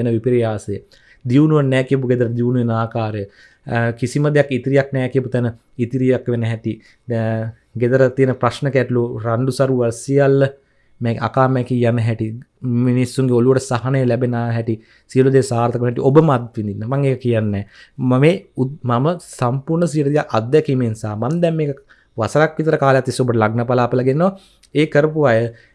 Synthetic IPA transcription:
enəʋipiɾijaːsejə | d̪iʋunuʋənːɛːkijəp̬uɡed̪əɾəd̪iʋnuʋenaːkaːɾəjə | kisiməd̪ejakit̪iɾijak̚nɛːkijəput̪ɛnə | it̪iɾijakʋenəɦɛt̪i | d̪ | ɡed̪əɾət̪ijənəprasnəkæʈloːɾaɳɖusaɾuʋasijalːə | meːka̰kaːmɛkijanəɦɛʈi | minisːuŋɡeoluʋəʈəsaɦanəjəlæbenaːɦɛʈi | siəlud̪eːsaːɾt̪əkʋnɦɛʈḭʔobəmad̪ʋind̪inːəmaŋeːkəkijanːɛːmameːumaməsampurnəs̬iəʈəd̪ijaʔad̪ːɛkimensaːmamd̪ɛmːeːkə | ʋasɐɾakʋit̪əɾəkaːləjat̪ːʋisːiobəʈəlaɡnəpalaːpəlaɡenːo | eːkəɾəpuʋajə

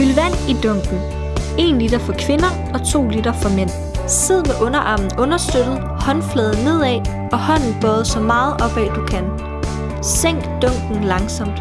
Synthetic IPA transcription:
ylʋæn̰id̥ɔŋ̰ɡ̥n̩ | e̝nlid̥ɐfɒ̽kʰʋe̝nɐ | ɒ̽t͡sʰo̝̰ːlid̥ɐfɒmen̰ | seð̞̰ˠmeʔɔ̽nɐʔɑ̈mn̩ɔ̽nɐsd̥ød̥ð̩ˠhɒ̽nflɛːð̞̩ˠne̝ð̞̰ˠɛ | ɒ̽hɒ̽n̰n̩b̥ɒːð̩ˠsɒ̽mɑ̈ːð̩ˠʔɒ̽b̥ɛ̰d̥ukʰæn | seŋ̰ɡ̥d̥ɔŋ̰ɡ̥n̩lɑ̈ŋsɒ̽m̰d̥

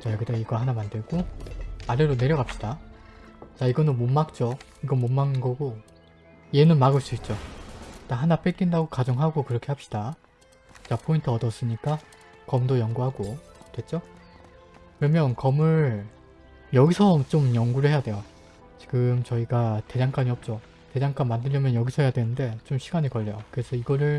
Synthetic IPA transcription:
t͡ɕajʌɡideiɡʌhanamandɯɭɡoaɾeɾone̞ɾjʌɡap̚ɕ͈id̥a | t͡ɕaiɡʌnɯnmomːak̚t͡ɕ͈o | iɡʌmomːaŋɯnɡʌɡo | ie̞nɯnmaɡɯɭs͈uit͡ɕ͈ot͈aɦanap͈ek͈indaɡokad͡ʑʌŋɦaɡokɯɾʌkʰe̞hapɕ͈id̥a | t͡ɕapʰointʰɯʌtʌs͈ɯmɲik͈a | kʌmdojʌŋɡuɦaɡotwe̞t͡ɕ͈o | kɯɾʌmjʌnkʌmɯɾ | jʌɡisʰʌt͡ɕ͈omjʌŋɡuɾɯɭhe̞jadwe̞jo | t͡ɕi̥ɡɯmt͡ɕʌiɡate̞d͡ʑaŋk͈aɲiʌp̚t͡ɕ͈o | te̞d͡ʑaŋk͈anmandɯʎjʌmjʌnjʌɡisʰʌɦejadwe̞nɯnde̞t͡ɕomɕʰiɡaɲikʌʎːʌjokɯɾe̞sʰʌiɡʌɾɯɭ

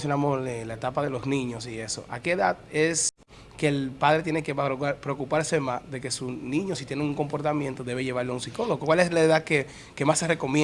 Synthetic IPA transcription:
sjonamoselaet̪apaðe̞lo̞snĩɲo̞sie̞so̞̰ʔa̰keːðaðes | ke̞ːlpað̞ɾet̪jene̞kepɾeokupaɾse̞masðe̞ke̞sunĩɲo̞sit̪jeneŋuŋko̞mpo̞ɾt̪amjẽnt̪o̞ðe̞βeʝe̞βaɾlounsiko̞loɣokwaleslaeðaðke | ke̞masːereko̞mj

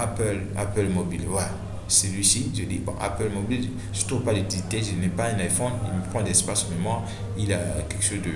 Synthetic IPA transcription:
apɛl | a̰pɛlmobilvwala | səlɥisiʒəd̪ḭbɔ̰̃ʔa̰pɛlmobil | ʒət̪ʁuvpadet̪ilit̪eʒənɛpaɛ̃najfɔnḭlməpχɑ̃dɛspasmɛmã | ilakɛkʃozdə

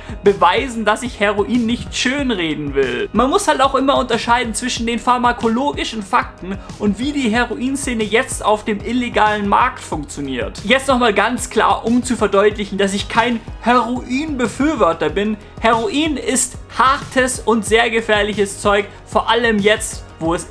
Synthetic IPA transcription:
b̥əvaɪzn̩dasɪçheʁoʔiːnːɪçtʃøːnʁeːdn̩vɪlmanmʊshaltaʊxʔɪmɐʊntɐʃaɪdn̩t͡sv̥ɪʃn̩deːnfaɐmakʰoloːɡɪʃn̩faktn̩ʔʊntv̥iːdiːɦeʁoʔiːnseːnəjɛt͡sta̰ʊfd̥eːmʔɪleɡaːlənma̰ɐktfʊŋk̚t͡sjoniːɐtjɛt͡stnɔχmaːlɡant͡skl̥a̰ːɐʔʊmt͡sufɛɐdɔʏtlɪçn̩das̬ɪçkʰaɪnheʁoʔiːnbəfyːɐvɔɐtɐbɪn | heʁoʔiːnɪsthaɐtʰəsʊntz̥eːɐɡəfɛːɐlɪçəst͡sɔʏk | foːɐʔaləmjɛt͡stv̥oːɛs

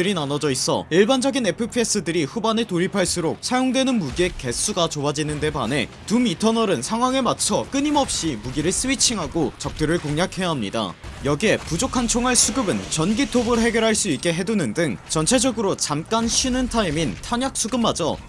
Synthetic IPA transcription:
ɯɾinanʌd͡ʑʌis͈ʰʌ̰iɭband͡ʑʌɡine̞pʰɯpʰies͈ɯdɯɾiɸubane̞toɾipʰaɭs͈uɾok̚sʰajoŋdwe̞nɯnmuɡie̞ke̞s͈ʰuɡat͡ɕoad͡ʑinɯnde̞bane̞ | tumitʰʌnʌɾɯnsʰaŋɦwaŋe̞mat͡ɕʰʌk͈ɯɲimʌp̚ɕ͈imuɡiɾɯɭs͈ɯit͡ɕʰiŋɦaɡot͡ɕʌk̚t͈ɯɾɯɭkoŋɲakʰe̞jaɦamɲida̰jʌɡie̞pud͡ʑokʰant͡ɕʰoŋaɭsʰuɡɯbɯnt͡ɕʌnɡitʰobɯɾɦe̞ɡjʌɾɦaɭs͈uik͈e̞ɦe̞dunɯndɯŋt͡ɕʌnt͡ɕʰe̞d͡ʑʌɡɯɾot͡ɕamk͈anɕʰinɯntʰaimintʰaɲjak̚s͈ʰuɡɯmːad͡ʑʌ̰

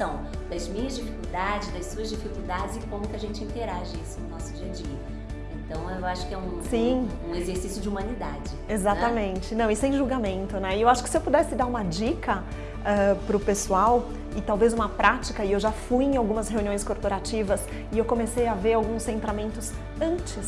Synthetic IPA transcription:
sɐ̃w̃ | d̪ɐzmĩɲɐzd͡ʒifikuwd̪ad͡ʒɪzd̪ɐssuɐzd͡ʒifikuwd̪ad͡ʒɪzɪkõmʊkɪɐʒẽnt͡ʃɪĩnt̪eɾaʒɐisʊnʊnɔsʊd͡ʒiɐd͡ʒiɐ | ẽnt̪ɐ̃w̃ewaʃʊ̥kɪɛũsĩũezeɾsisjʊd͡ʒɪumɐ̃nid̪ad͡ʒɪezaɐmẽnt͡ʃɪnɐ̃w̃isʊẽj̃ʒulɡamẽnt̪ʊnɛɪewaʃʊkɪ̥sɪewpud̪ɛsɪd̪aɾũmɐd͡ʒikɐ | ɛpɾʊpesuaw | ɪt̪awvezũmɐpɾʔat͡ʃikɐɪewʒafujẽj̃awɡũmɐsheũniõj̃skoɾpoɾat͡ʃivɐs | ɪewkõmesejɐveɾawɡũsːẽnt̪ɾamẽnt̪ʊs | ɐ̃nt͡ʃɪs

